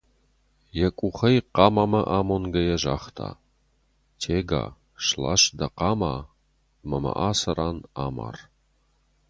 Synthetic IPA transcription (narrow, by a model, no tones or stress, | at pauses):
jɐkʷʼuχɐjqɑːmaːmɐʔaːmonɡɐjɛʒaːχtʰa̰ː | tʰeːɡa̰ː | ʃla̰ʃd̪ɐqɑːmaː | mɐmɐ̰ʔaːsɐraːnaːma̰ːr